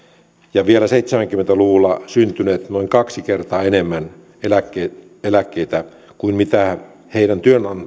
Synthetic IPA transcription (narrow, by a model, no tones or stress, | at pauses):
jɑʋielæseit̪semæŋkymːent̪æluʋulːɑsynt̪yneːt̪noiŋkɑksikert̪ɑːenemːæn | elækːe | elækːeit̪æ | kuinmit̪æ | heiɾænt̪yønɑn